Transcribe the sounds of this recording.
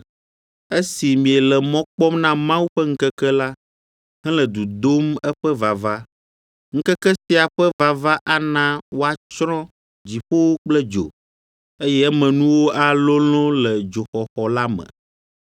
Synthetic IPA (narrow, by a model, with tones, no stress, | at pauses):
e˦si˨mĩ˨ɛ˨lɛ˨mɔ̃˦k͡pɔ˦mnã˦mã˦wu˦ɸɛ˦ŋ̩˦kɛ˦kɛ˦la˦ | ɦɛ̃˦lɛ˨d̪u˨d̪o˦mɛ˦ɸɛ˦va˨va˦ | ŋ̩˦kɛ˦kɛ˦si˦a˨ɸɛ˦va˨va˦ʔa˦nã˦wo˦a˨t͡ʃɾɔ̃˦ | d͡ʑi˨ɸo˦wo˦k͡plɛ˦d͡ʒo̰˨ | e˦jɛ˦ɛ˦mɛ̃˨nũ˦wo˦ʔa˨lo˦l̃ɔ̃˦lɛ˨d͡ʒo˨xɔ˨xɔ˨la˦mɛ̰˨